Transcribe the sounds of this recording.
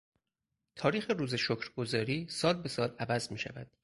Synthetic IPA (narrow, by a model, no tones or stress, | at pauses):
t̪ʰɒːɾiːxeɾuːzeʃokʰɾɡo̞zɒːɾiːsɒːlbe̞sɒːlævæzmiːʃæ̰væ̰d̪̥̚